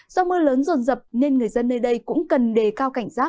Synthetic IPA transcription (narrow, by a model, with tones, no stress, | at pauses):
zɔ˧mɨ˧ələː˨˦nzo˨˩nzə˨˩p̚ne˧nŋɨ˨˩əjzə˧nːəː˧jɗə˧jkʊ̰˧˥ŋ͡mkə˨˩nɗe˨˩kaː˧wka˧˩jŋ̟zaː˦˥